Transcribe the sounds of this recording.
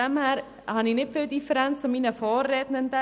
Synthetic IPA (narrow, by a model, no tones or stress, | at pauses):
ɛmhæːɾ | hɑnɪnɪtfɪːldifəɾɛnt͡st͡sʊmiːnəfɔːrːɛdnəndɛ